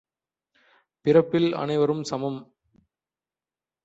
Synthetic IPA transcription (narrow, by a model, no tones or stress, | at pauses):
pɪrɐpːɪlɐ̰nɐɪʋɐɾɯmsɐmɐm